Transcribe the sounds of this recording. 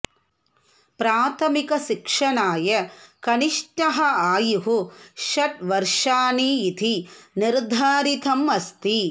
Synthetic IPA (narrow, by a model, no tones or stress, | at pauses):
pɾaːt̪ʰɐmikɐʃikʂɐɳaːjɐkɐniʂʈɐɦɐaːjuɦuʃɐʈʋɐɾʂaːniːt̪ʰiniɾd̪ʱaːɾit̪ʰɐmɐst̪i